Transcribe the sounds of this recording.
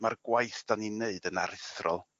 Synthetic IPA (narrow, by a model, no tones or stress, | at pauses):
marɡwajθd̥ɔnineɨdənaɾɪθrɔlˠ